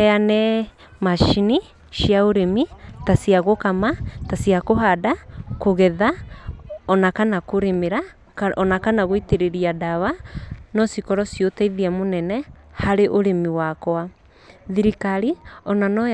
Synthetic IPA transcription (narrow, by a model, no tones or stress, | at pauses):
ɛanɛ | maʃini | ʃiaoɾemitasiaɣokamatasiakoɦadakoɣɛða | ɔnakanakoɾemeɾa | kɔnakanaɣoiteɾeɾiadaβanɔsikɔɾɔsjotaiðiamonɛnɛ | haɾeʔoɾemiwakɔa | ðiɾikaɾiɔnanɔ